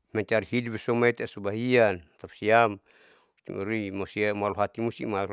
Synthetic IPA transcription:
mɛɲt͡ʃaɾihidupesɔmait̪asubaɦiant̪apsiam | must̪ḭmuɾimosiamaluɦat̪imust̪ḭma

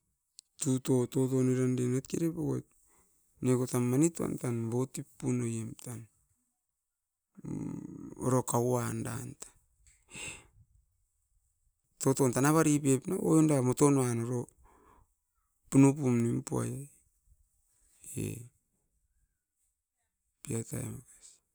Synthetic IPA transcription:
tutototoniɾandenatkiɾepoɡot̚ | nekotamːanitua̰ntanbotipːunojemtan | o̰ɾokawanda̰ntḁ | totontanaβaɾipepnaojondamotonanoɾo | punupumnimpua̰j | ḛ | piata̰ḛmakḁs

